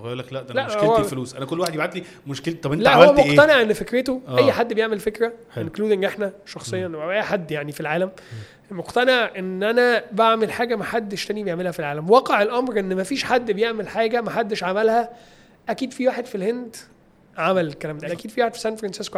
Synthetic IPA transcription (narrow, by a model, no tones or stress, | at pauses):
ɣjlæklæʔlæʔheowæfluːsʔænækolːwaħed̪bʕat̪li | moʃkelt̪ːˤɑbʔelæʔhowææmoʔt̪æneʕʔenːfekɾet̪oʔæjjːħad̪ːbejeʕmelfekɾæ | enkluːd̪eŋɡʔeħnæʃɑxsˤejːɑnʔæjħad̪ːjaʕnifilʕaːlæm | moqt̪æneʕʔenːʔænæbaʕmelħaːɡæmæħad̪ːeʃt̪æːnibejeʕmelhæfilʕaːlæmwɑːqeʕelʔɑmɾʔenːmæfiːʃħad̪ːbejeʕmelħaːɡæmæħad̪ːeʃʕamælhæ | ʔækiːd̪fiwaːħed̪filhend̪ | ʕamælekːælæːmd̪æʔækiːd̪fiwaːħed̪fi̥sænfɾˤɑnsesko